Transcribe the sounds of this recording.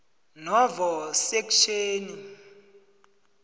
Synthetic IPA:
nɔvɔsekʃʰeːni

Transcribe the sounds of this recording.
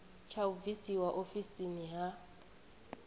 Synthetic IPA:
t͡ʃʰaubvisiwaʔofisiniɦa

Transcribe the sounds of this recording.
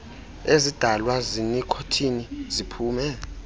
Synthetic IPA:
ezid̥ʱalwazinikʰotʰinizipʰuːmɛ

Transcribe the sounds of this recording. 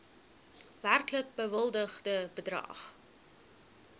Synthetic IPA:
værklək̚bəvəlˠdəχdəbədrɐ̰χ

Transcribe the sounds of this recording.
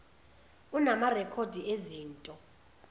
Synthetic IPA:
unamarɛkʰodʱieziːntʼɔ

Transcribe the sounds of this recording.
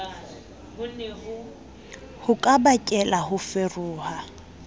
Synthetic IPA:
bʊnɦʊ | hʊkʼabakʼɛlahʊferuːha

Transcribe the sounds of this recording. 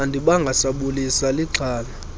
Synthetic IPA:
ndʱʼiɓaŋɡʱasaɓulisaliɡ͡ǀʱaːla

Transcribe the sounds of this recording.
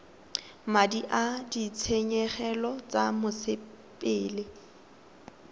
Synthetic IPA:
madiʔadit͡sʰeɲɛχɛlɔt͡sʼamʊsɪ | pʼɪːlɪ

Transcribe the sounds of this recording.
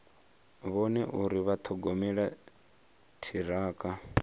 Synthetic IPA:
βɔnɛʔuɾiβat̪ʰɔɡɔmɛɺa | tʰiɾaːkʼa

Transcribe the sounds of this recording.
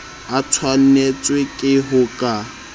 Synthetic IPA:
at͡sʰwan̩net͡sʼwekʼɪɦʊkʼa

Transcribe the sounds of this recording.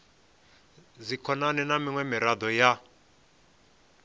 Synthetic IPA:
zikʰɔnanɛnamiŋwɛmiɾad̪ɔja

